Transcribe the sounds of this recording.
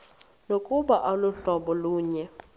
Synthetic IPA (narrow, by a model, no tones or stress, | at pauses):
nokʼuɓaʔaluɬɔɓɔluːɲɛ